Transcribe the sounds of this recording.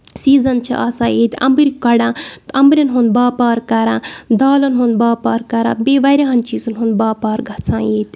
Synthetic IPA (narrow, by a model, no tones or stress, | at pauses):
siːzɐnt͡ʃʰḭʔa̰saːjeːt̪ʲɐ̰mbɨɾʲikɐɽãːt̪ɐmbɾʲɐnɦunbaːpaːɾkaɾãːd̪aːlɐnɦund̪baːpaːɾkɐɾã̰ːbeːʋɐɾʲaɦɐnt͡ʃiːzɐnɦunbaːpaːɾɡʱɐt͡sʰãːjeːt̪ʲ